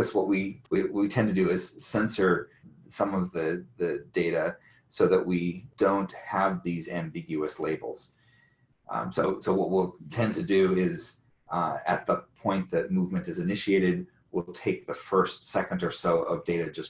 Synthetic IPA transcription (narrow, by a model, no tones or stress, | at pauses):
ʌswʌʔ̚wiwiwitʰɛ̃ntʰɨdɨɪz̥sɛ̃nsə˞ | sʌ̃mʌvðɨðɨdeɪɾɨ | soʊðɨʔwid̥õʊ̃nt̚həvðizæ̰̃mbɪɡjʉɨsleɪbl̩ˠz̥ | soʊsoʊwʌʔ̚wilˠtʰɛ̃ntʰɨdɨɪz̥ | ɨ̰t̪̚ðəpʰɔ̃ɪ̃nðɨt̚muvmɨ̃ntɨzɨnɪʃieɪɾɨd̚ | wilˠtʰeɪk̚ðɨfɜ˞stsɛkɨ̃n̩də˞soʊʔʌvdeɪɾɨd͡ʒʌs